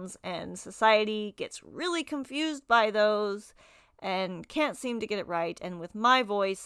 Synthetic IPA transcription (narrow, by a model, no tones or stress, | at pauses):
nzɨ̃nsəsaɪɨɾiɡ̥ɛtsɹɪlˠikʰə̃ɱfjʉz̚baɪðoʊz | ʔɨ̃nkʰæ̃ntsĩmtɨɡɛɾɨʔ̚ɹaɪɾɨ̃nwɨðmaɪvɔɪs